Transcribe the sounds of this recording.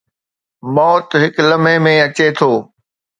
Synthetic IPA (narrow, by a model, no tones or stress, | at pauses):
mɔːt̪ɦɪklɐmẽmẽɐt͡ɕet̪ʰoː